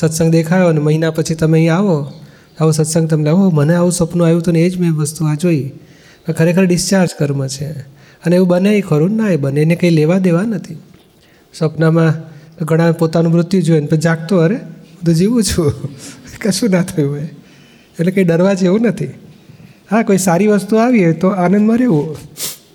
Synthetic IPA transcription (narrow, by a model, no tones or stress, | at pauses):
sət̪səŋɡd̪ekʰajoneməɦinapət͡ʃʰit̪əmeĩaʋo | aʋũsət̪sə̃ŋɡ̚t̪əmnaʋũɦoməneaʋũsəpnuajũt̪ʰoneed͡ʒmẽʋəst̪uad͡ʒoi | mə̃kʰəɾekʰəɾɖɪst͡ʃaɾd͡ʒkəɾmãt͡ʃʰe | əneeʋũbəneikʰəɾunːaebəneːnekəileʋad̪eʋanət̪ʰi | səpnamãɡʱəɽ̃ãpot̪anũmɾʊt̪jud͡ʒoenpəd͡ʒak̚t̪oəɾẽt̪od͡ʒeʋũt͡ʃʰũ | kəʃũnat̪ʰəjũɦj | elekəiɖəɾʋad͡ʒeʋũnət̪ʰi | ɦakoisaɾiʋəst̪uaʋiet̪oanə̃nd̪mãɾeʋũ